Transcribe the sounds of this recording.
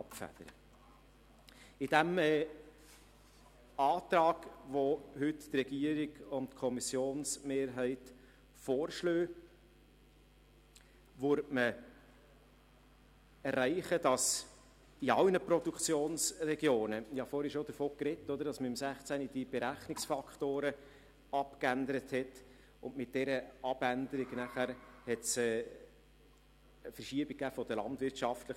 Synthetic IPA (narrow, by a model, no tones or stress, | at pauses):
ɑpfæ̰d̥̪əɾə̰ | ɪd̥æmɛː | ɑːt̪ɾɑːɡ̥ʋohʏttrɛɡ̥iəɾiɡʊntkʰɔmisjoːnsmeːɾɦɛɪt | foːɾʃløː | ʋʉɾtmə | ɛɾːæɪχəd̥ɑs | d̥iɑlnəpɾɔd̥ukt͡sjoːnsrɛɡjoːnəɪhɑfoːɾhɛʃod̪əɾfoːkrɛtːɔd̪əɾd̥ɑsməɪmsæχt͡sænid̥ib̥ɛɾæχnɪksfɑkχtoːɾə | ɑpkænd̪əɾəthɛt | ʊndmɪt̚d̥ɛɾəɑb̥ænd̪əɾiɡnæχæɾhɛtsɛ | əfəɾʃiəbik̚kːæːfɔd̪əlɑ̰ndvɪɾtʃɑftlə